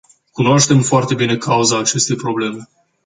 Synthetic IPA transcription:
kunoaʃt̪e̞mfoart̪e̞bine̞kʰauzaːt͡ʃe̞st̪e̞jpɾo̞ble̞me̞

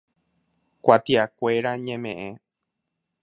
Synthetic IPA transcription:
kʷat̪iakʷeɾaɲẽmẽʔẽ

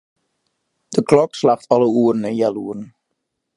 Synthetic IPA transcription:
d̥əklɔkslaxtɑləuərn̩ɛnjaluəɾn̩

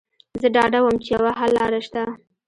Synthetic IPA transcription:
zəɖɑɖawəmt͡ʃejawaɦalɑɾaʃt̪a

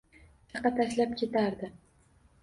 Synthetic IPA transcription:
t̪ʰɑqːɑt̪ʰaʃlap̚kʲʰe̞t̪ʰaɾd̪ɪ

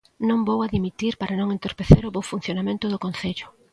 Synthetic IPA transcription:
nõŋbowaðimit̪iɾpaɾanõŋent̪oɾpeθeɾʊβowfun̟θjonamẽnt̪ʊðʊkõnθeʎʊ̥

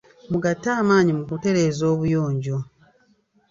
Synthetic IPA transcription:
muɡatːaːmaːɲimukute̞ɾe̞ːzo̞ːβujoːɲɟo̞

